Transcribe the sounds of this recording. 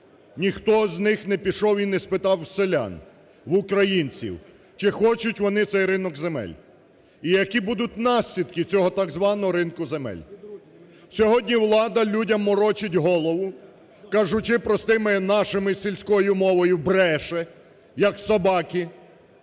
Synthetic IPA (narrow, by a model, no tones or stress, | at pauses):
nʲixt̪ɔznɪxnɛpʲiʃɔwinːɛspɪt̪ɑwselʲa̰n | ʋʊkɾɐjinʲt͡sʲḭw | t͡ʃɪxɔt͡ʃʊtʲʋɔnɪt̪sɛjɾɪnɔɡzemɛ̰lʲ | ijɐkibud̪ʊt̚ʲnɑsʲlʲid̪kɪt͡sʲɔɦɔt̪ɑɡzʋɑnɔɦɔɾɪnkʊzemɛ̰lʲ | sʲɔɦɔdʲnʲiwlˠɑd̪ɐlʲudʲɐmːɔɾɔt͡ʃɪtʲɦɔlˠɔʋʊ | kɑʒʊt͡ʃɪpɾɔst̪ɪmɪnɑʃɪmɪsʲilʲsʲkɔjʊmɔʋɔjʊbɾɛʃɛ | jɐksɐbɑkʲi